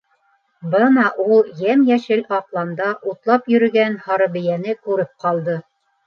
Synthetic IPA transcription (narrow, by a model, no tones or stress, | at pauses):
bɤnɑʔulˠjæmjæʃɘlɑqlˠɑnd̪ɑʔut̪lˠɑpjɵ̆ɾɵ̆ɡænhɑɾɤ̆βɘ̆jænɘkʉɾɘp̚qɑlˠd̪ɤ